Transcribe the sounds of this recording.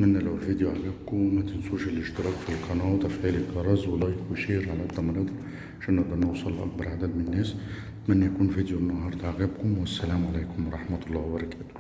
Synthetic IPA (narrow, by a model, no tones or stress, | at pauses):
mænːælæwlvid̪juʕaɣæb̚kʊmmæt̪ənsuʃələʃt̪əɾˤɑkfilqɑnɑt̪ˤɑfʕilikɑɾˤɑzwəlːæjkiʃiɾʕalæd̪ɑmɑɾid̪ˤ | ʃinəʔd̪ˤɑnəwsˤəlːʔɑ̰k̚bɑɾˤʕad̪ælmənənːæs | mænːæjkunfid̪junːɑhɑɾˤt̪ʕɣæbkʊmwəsːælæmʕalikʊmwɾˤɑħmæt̪lˤːɑwbɑɾˤɑkæt̪ʊ̥